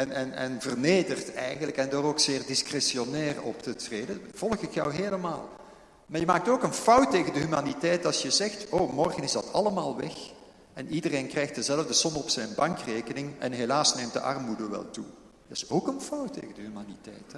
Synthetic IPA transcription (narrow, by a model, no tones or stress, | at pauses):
ɛnɛnɛnvərneːdərtɛ̰jɣənləkɛndɔːroːksɪːrdɪskrɛsionɛːrɔ̰ptətreːdəv̥ɔlˠxɪkjœ̰wɦeːləma̰ːlˠ | maːrjəmaːk̚toːkənfʌwtːeːɣəndəɦymaːnitɛjtɑsjəzɛxtoːmɔrɣənɪzdɑtɑləmaːlˠʋɛ̰x | ɛnidəreːnkrɛjxtəzɛləvdəsɔnɔpsɛjnbɑŋkreːkənɪŋɛ̰nɦelaːsneːmt̚də̰ʔɑ̰rmudəʋɛ̰lˠtu | dəsoːkənfʌwtːḛːɣəndəɦymaːnitɛ̰jt